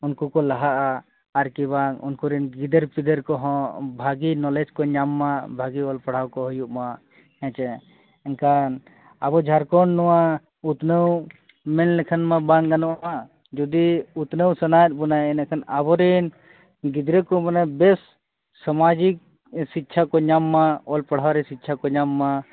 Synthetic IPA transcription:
unkukɔlaɦaʔaː | ɾkiβaŋṵnkuɾɛnɡid̪əɾpid̪əɾkɔɦɔ̃bʱaɡinɔlɛd͡ʒkɔɲamːabʱaɡiɔlpaɽ̤awkɔɦujuʔma | ɛ̃t͡ʃɛ | ɛnkan | abɔd͡ʒʱaɾkɔɳnɔwa | ut̪nəw | mɛnlɛkʰənmabaŋɡanɔʔma | d͡ʒɔd̪iut̪nəwsənajt̪̚ˀbunajɛnɛkʰanabɔɾɛn | ɡid̪ɾəkɔmanabɛsː | amad͡ʒik̚ | sit̪ːt͡ʃʰakɔɲamːaɔlpaɽ̤awɾɛsit̪̚ːt͡ʃʰakɔɲamːa

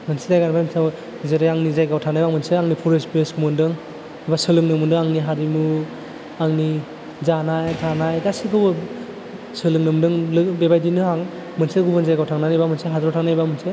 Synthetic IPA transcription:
mɯnsidajɡanbajmnsa | zeɾɯjaŋnizajɡawtʰanajbaŋmɯnsɯaŋnipʰɔɾespɾesɡumɯndɯŋ | ibasɯlɯŋnɯmɯndɯaŋniɦaɾimu | aŋni | zanajtʰanajdasikʰɯbɯ | sɯlɯŋnɯmdɯŋlɯbebajdinɯɦaŋ | mɯnsɯɡubɯnzajɡawtʰaŋnanijbamɯnsɯɦadɾawtʰaŋnajbamɯnsɯ

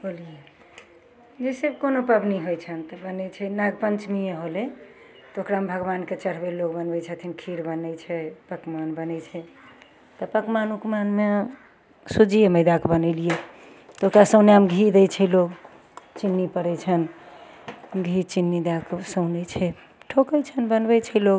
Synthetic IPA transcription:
bolije | d͡ʒesebkonopəbniɦojt͡ʃʰənt̪əbənɛt͡ʃʰɛnaɡpənt͡ʃmijeɦole | t̪okɾambʱəɡbanket͡ʃəɾ̤belːokbənbɛt͡ʃʰət̪ʰinkʰiɾbənɛt͡ʃʰɛpəkmanbənɛt͡ʃʰɛ | t̪əpəkmanukmanme | sud͡ʒijeməjd̪akbənɛlije | t̪okɾasə̃ʊneamɡʱid̪ɛt͡ʃʰɛloɡ | t͡ʃinːipəɾɛt͡ʃʰən | ɡʱit͡ʃinːid̪aksəʊnɛt͡ʃʰɛ | ʈʰokəjt͡ʃʰənbənbɛt͡ʃʰɛloɡ

